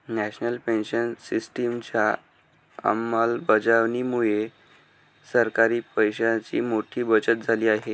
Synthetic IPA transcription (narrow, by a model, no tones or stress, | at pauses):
næɕnəlpenɕənsisʈimt͡ɕja | ə̰mːalbəd͡zaʋniːmuɭe | səɾkaɾiːpəjɕat͡ɕḭːmoʈʰiːbət͡ɕət̪̚d͡zʱaliːaɦe